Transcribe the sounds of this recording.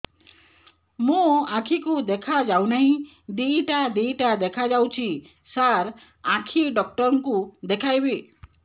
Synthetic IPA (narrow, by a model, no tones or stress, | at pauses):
mũakʰikud̪ekʰad͡ʒawnaɦĩ | d̪iʈad̪ijʈad̪ekʰad͡ʒawt͡ʃʰi | saɾ | akʰiɖɔkʈɔɾɔŋkud̪ekʰajbi